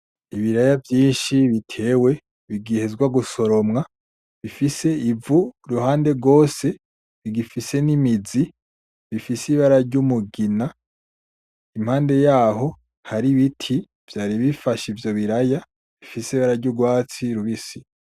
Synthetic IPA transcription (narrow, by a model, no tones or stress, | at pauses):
iβiɾajavjiːnʃiβitʰe̞ːwe̞ | βiɡihe̞zɡwaɡuso̞ɾo̞mŋa | βifise̞ivuɾuhaːnde̞ɾɡo̞ːse̞ | βiɡifise̞nimizi | βifisiβaɾaɾɟumuɡina | imhaːnde̞jaːɦo̞ | haɾiβitʰi | v̥jaːɾiβifaʃivjo̞βiɾaja | βifisiβaɾaɾɟuɡwaːt͡siɾuβisi